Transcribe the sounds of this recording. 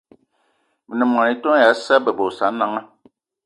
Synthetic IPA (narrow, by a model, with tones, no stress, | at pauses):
mi˨nə˨m˨a˨ni˨˦to˦ja˨˦sa˦bɛ˨bo˨sa˨˦na˦ŋa˦